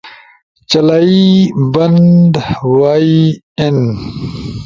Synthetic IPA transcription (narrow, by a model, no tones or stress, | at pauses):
t͡ɕɐlaːibɐnd̪waːi | en